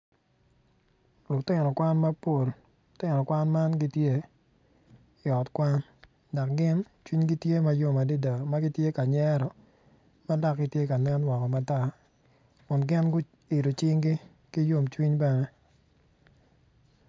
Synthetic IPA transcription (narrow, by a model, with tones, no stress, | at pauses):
lʊ˨ktɪ˦˨nɔ˨kwa˦nmɐ˦po˨l | ʊ˨tɪ˦nɔ˨kwa˦nma˦nɡi˦tje˦ | ɪ˨ɔ˨tkwa˦n | da˨k̚ɡɪ˦n | t͡ʃwi˦ɲɡi˦tje˦ma˦jo˦ma˨de˦da˨ma˦ɡi˦tje˦ka˨ɲɛ˦ɾɔ˨ | ma˦da˦k̚ɡɪ˨tje˦ka˨nɛ˦nwɔ˨kɔ˨ma˦ta˦˨ | kʊ˨nɡɪ˦nɡʊ˦ | i˨ɾo˨t͡ʃɪ˦ŋɡi˦ | ki˦jo˦mt͡ʃwi˦ɲba˦ŋɛ˦